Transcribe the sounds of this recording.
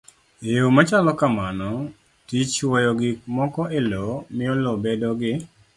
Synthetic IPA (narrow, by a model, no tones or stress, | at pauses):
eomat͡ʃalɔkamanɔ | tit͡ʃwɔjɔɡɪk̚mɔkɔʔelɔmɪɔlɔbedɔɡɪ